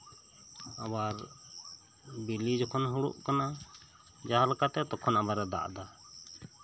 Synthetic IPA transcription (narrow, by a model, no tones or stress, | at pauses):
abaɾ | bilid͡ʒɔkʰɔnɦuɽṵʔkana | d͡ʒaɦalakat̪ɛt̪ɔkʰɔnabaɾɛd̪a̰ʔd̪a